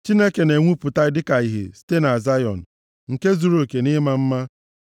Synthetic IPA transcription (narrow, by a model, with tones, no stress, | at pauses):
t͡ʃi˦ne˦ke˨ne˨ŋʷu˦pʊ˨ta˦dɪ˦ka˨i˨ɦḛ˨ste˦na˨za˦jɔ̰˨n̩˨ | ŋ̩˨ke˦zu˨ɾo˨ke˨ni˦ma˨m̩˦ma˦